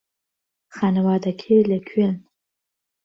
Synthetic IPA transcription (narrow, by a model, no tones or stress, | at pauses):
χanwadakʲʰelʲakʲʰen